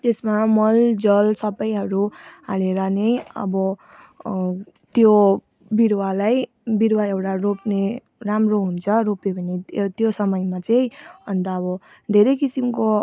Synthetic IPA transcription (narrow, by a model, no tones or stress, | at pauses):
t̪esmamʌld͡zʌlsʌbʌjɦʌɾuɦaleɾʌnʌjʌ̰bʌ | t̪jo | biɾwalaj | biɾwaewʈaropne | ramroɦunt͡sʰʌɾopebʱʌnet̪josʌmʌjmat͡sʌj̃ʌnt̪ʌːbʌ | d̪ʱeɾʌjkisimko